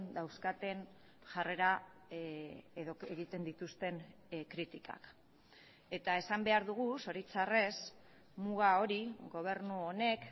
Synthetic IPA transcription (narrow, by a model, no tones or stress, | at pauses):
nd̪awskat̪e̞n | ʝare̞ɾa | eðoeɣit̪e̞nd̪it̪ust̪e̞n | kɾit̪ika̰k | e̞t̪ae̞sambe̞aɾðuɣ̞uso̞ɾit͡sare̞s | muɣao̞ɾiɣo̞β̞e̞ɾnuo̞ne̞k